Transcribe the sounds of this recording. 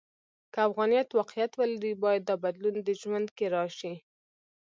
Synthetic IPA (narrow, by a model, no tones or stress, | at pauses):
kəafɣɑnijɑt̪wɑqjat̪wəlaɾibɑjad̪ːəbad̪lund̪əʒwand̪keɾɑʃi